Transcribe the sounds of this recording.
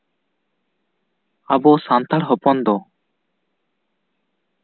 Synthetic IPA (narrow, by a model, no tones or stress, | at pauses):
abɔsant̪ʰaɾɦɔpɔnd̪ɔ